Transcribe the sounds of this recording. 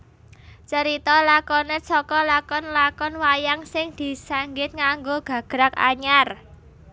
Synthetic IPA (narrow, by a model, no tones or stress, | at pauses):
t͡ʃəɾit̪ɔlakɔnet͡ʃɔkɔlakɔnlakɔnwajaŋsɪŋd̪̥i̤saŋɡɪt̪̚ŋaŋɡoɡ̥ä̤ɡ̥ɾaka̰ɲar